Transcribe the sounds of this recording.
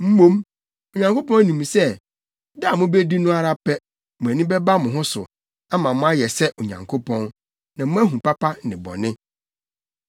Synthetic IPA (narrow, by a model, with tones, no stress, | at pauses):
m̩˦mõ˦m | o˨ɲã˨ŋko˦pɔ̃˦nĩ˨m̃˨sɛ˦ | da˦˨mʊ̃˦be˦di˦nʊ̃˦a˦ɾa˦pʰɛ˦ | mʊ̃˨æ˨nĩ˦bɛ˦ba˦mʊ̃˨ɦʊ̃˦sʊ̰˨ | a˦mã˨mʊ̃˦a˦jɛ˨sɛ˦ʔo˨ɲã̰˨ŋkʰo˦pʰɔ̃˦n | nã˨mʊ̃˦æ˦ɦũ˨pa˦pʰa˦nɪ̃˨bɔ̰˨nɪ̃˦